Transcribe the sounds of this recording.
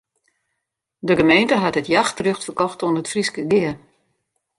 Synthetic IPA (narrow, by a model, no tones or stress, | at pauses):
dəɡəmejntəɦatətjaxtərøxtfərkɔxtuənətfriskəɡɪər